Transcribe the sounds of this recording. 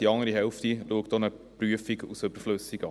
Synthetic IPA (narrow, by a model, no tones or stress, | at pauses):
d̥iɑŋəɾiɦɛlftiluəkd̥̪onəpryəfiɡṵsøb̥əɾfløsiɡɑ